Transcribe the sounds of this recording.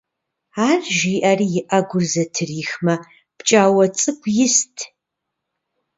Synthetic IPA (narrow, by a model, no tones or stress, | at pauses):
aːrʒiːʔariːjɪʔɐɡʷʊrzɐtʰɨriːxmɐ | pt͡ʃʼaːwɐt͡sʼɨkʷʼjɪstʰ